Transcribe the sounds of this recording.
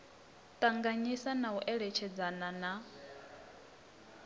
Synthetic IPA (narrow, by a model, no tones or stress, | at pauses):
t̪ʼaŋɡaɲisanauʔɛɺɛt͡ʃʰɛd͡zanana